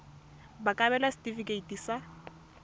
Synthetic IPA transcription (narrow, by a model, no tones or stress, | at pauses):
bakʼabɛlastʼifikʼeitʼisa